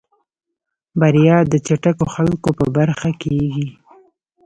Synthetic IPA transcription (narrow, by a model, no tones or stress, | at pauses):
baɾijɑd̪ət͡ʃaʈakoxalkopə̰baɾxakeɡi